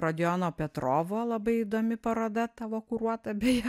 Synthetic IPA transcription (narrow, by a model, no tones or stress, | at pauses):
ɾoːd̪ʲɪjoːnoːpʲɛt̪ɾoːʋoːlˠɐbɐɪid̪oːmʲɪpɐɾoːd̪ɐt̪ɑːʋoːkʊɾuɔt̪ɐbʲej